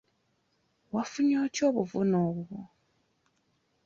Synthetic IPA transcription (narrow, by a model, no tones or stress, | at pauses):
wafuɲoːtjoːβuvunoːβwo